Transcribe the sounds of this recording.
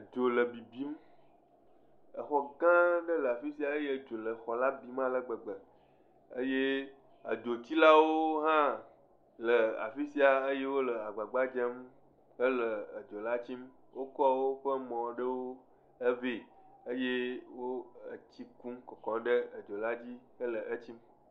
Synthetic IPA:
d͡ʒo˨lə˨bi˨bi˦m | ə˨xɔ˨ɡã˦ɖə˦lə˨a˨fi˦si˦a˨ə˦je˦˨d͡ʒo˨lə˨xɔ˨la˦bi˨mã˦lə˨ɡ͡bə˨ɡ͡bə˨ | ə̰˦je˦ | a̰˨d͡ʒo˨t͡ɕi˦la˦wo˦ɦã˦ | lə˨a̰˨fi˦si˦a˨ə˦je˦wo˦lə˨a˨ɡ͡ba˨ɡ͡ba˦d͡ʒe˦m | kə˦lə˨ə˨d͡ʒo˨la˦t͡ɕi˦m | wo˦kɔ˦wo˦ɸə˦mɔ̃˨ɖə˦wo˦ | ə˦vi˨ə˦je˦wo˦ə̰˨t͡ɕi˦kũ˦mkɔ˨kɔ̃˨ɖə˦ə˨d͡ʒo˨la˦d͡ʑi˦kə˦lə˨ʔə˦t͡ɕi˦m

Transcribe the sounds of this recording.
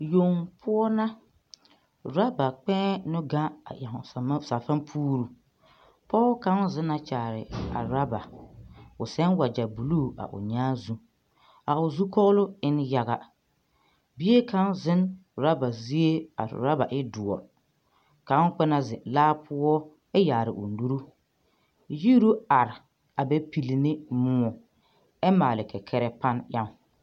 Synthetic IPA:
jo˨ŋpʰʊ˦ɔ˦na˦ | ɾa˦ba˨k͡pɛ̃˦nʊ˦ɡa˦a̰˨ja˨ɦʊ˨ssa˨fa˦npʰuː˦ɾu˨ | pɔ˦ka˦n˦zɪ˦na˨t͡ʃaː˨ɾɪ̰˨a̰˨ɾa˦ba̰˨ | ʊ̰˨sɛ˦nwa˨d͡ʒa˨bu˨lu˦˨a̰˨ʔʊ̰˨ɲaː˦zu˦ | a˨ʊ˨zu˦kɔ˦ɣlʊ˦ɪ˦n˦ja˦ɣa˨ | bi˦e˦kʰa˦nzɪ˦nɾa˦ba˨zi˦e˦a̰˨ɾa˦ba˨ʔɪ˦dʊ˨ɔ̰˨ | ka˨˦k͡pɛ˦na˦zɪ˨laː˦pʰʊ˦ɔ˦ | ɛ˦jaː˨ɾɪ˨ʔʊ̰˨n˦du˦ɾu˦ | ji˦ɾu˦a˨ɾɪ˨ | a˨bɛ˦pi˨li˨nɪ˦mʊ˦ɔ˨ | ɛ˦maː˨lɪ˨kʰɛ˨kʰɛ˦ɾɛ˦pa˦nja˦ŋ˦

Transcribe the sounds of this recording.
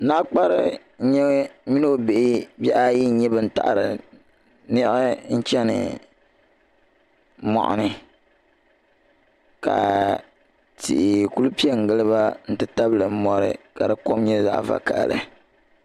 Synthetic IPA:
na˦k͡pa˦ɾɨ˦ | ɲɛ˦mi˦no˦˨be˨ʔɪ˦bjɛ˦ʔa˦ji˦ɲɛ˦bɨ˦n̩˦˨ta̰˨ʔɾɨ̰˨ | nɪ˦ɪ˦n̩˦t͡ʃɛ˦nɨ̰˨ | mɔ̰˨ʔʊ̰˨nɨ˦ | ka̰˨ | tḭ˨ʔɪ˨ku˦lu˦pi˦ɛ˦ŋ̩˨ɡɨ˦lɨ˦ba˦n̩˦tɨ˦ta˦blɨ˨m̩˦mɔ˦ɾɨ̰˨ka˨dɨ˨˦ko˦mɲɛ˦za̰˦ʔva̰˨ka˨lɨ̰˨

